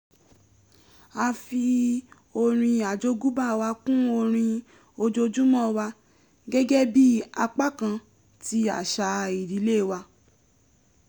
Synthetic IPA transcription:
a˧fi˧ | o˧ɾ̃ĩ˧a˨d͡ʒo˧ɡu˦ba˦˨wa˧kũ˦o˧ɾ̃ĩ˧ | o˧d͡ʒo˧d͡ʒu˦mɔ̃˦˨wa˧ | ɡɛ˦ɡɛ˦bi˦a˧k͡pa˦˨kã˧ | ti˧a̰˨ʃa˨˧i˨ɾi˨˦le˦˨wa˧

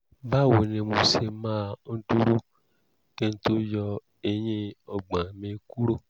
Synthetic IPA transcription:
ba˦˨wo˨nẽ˧mõ˧se˧mãː˦˧n̩˦tu˦ɾu˦ | kɛ̃˦n̩˦to˦jɔ˧ | e˧j̃ẽ˦ɔ˧ɡ͡bã˨mẽ˨˧˦ku˦ɾo˦˨

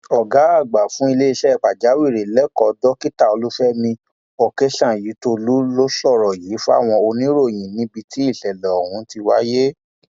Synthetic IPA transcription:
ɔ˨ɡa˨˦a˦˨ɡ͡ba˨fũ˨˦i˧le˦i˧ʃɛ˦˨k͡pa˨d͡ʒa˨˦wi˦˨ɾe˨lɛ˦kɔ˨dɔ˦ki˦ta˦˨o˧lu˦fɛ˦mĩ˧ | ɔ˨ke˦ʃã˦˨ji˨˦to˧lu˦lo˦ʃɔ˦˨ɾɔ˨jiː˨˦fu˦a̰˦˨w̃ɔ̃˧o˧nĩ˦ɾo˦˨j̃ĩ˨nĩ˦bi˧ti˦i˦˨ɬɛ˨lɛ˨ɔ˨hũ˨˦ti˧wa̰˦je˦

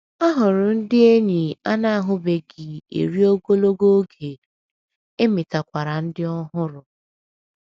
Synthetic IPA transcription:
a˦ɦʊ˨ɾʊ˨n̩˦dɪ˦e˦ɲi˨a˦na˦a˦ɦʊ˦be˨ɡɪ˨ḛ˨ɾi˦o˦ɡo˦lo˦ɡo˦ɡʰe˨ | e˦mɪ˨ta˨kʷa˨ɾa˨n̩˦dɪ˦ɔ˦ɦʊ˦ɾʊ˨

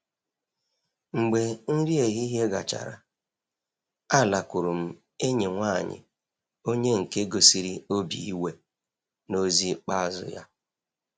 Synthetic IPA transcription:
ŋ͡m̩˨ɡ͡be˨n̩˦ɾi˦e˨ɦi˦ɦe˦ɡa̰˨t͡ʃa̰˨ɾa̰˨ | a˦˨la˨kʷʊ˨ɾʊ˨m̩˦ | e˦ɲi˨ŋʷa˦˨ɲɪ̰˨ | o˦ɲe˦ŋ̩˨ke˦ɡo˨si˨ɾi˦o˦bḭ˨i˦we˦ | no˦zi˦k͡pa˦˨zʊ̰˨ja̰˦

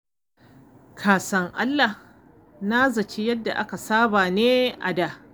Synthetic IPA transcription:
kʰaː˨sɐ˦ŋʔa˦lːa˨h | naː˦zɐ˨t͡ʃi˦jɐ˦dːa˨ʔa˦ka˨saː˦baː˨neː˦ʔa̰˨da˦˨

